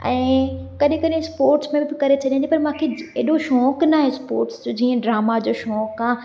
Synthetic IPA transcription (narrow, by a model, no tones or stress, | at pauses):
ɛ̃ːkɐɗɪ̃kɐɗɪ̃spoːɾʈsmẽbɪkɐɾet͡ɕʰɐɗiãnd̪ipɐɾmãːkʰeeːɗoʃɔːknaːɦespoːɾʈsd͡ʑoːd͡ʑiːə̃ɖɾaːmad͡ʑoːʃɔːkãː